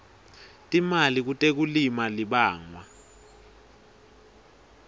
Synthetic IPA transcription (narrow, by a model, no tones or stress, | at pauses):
tʼimalik̬utʼek̬ulimaliɓaːŋwa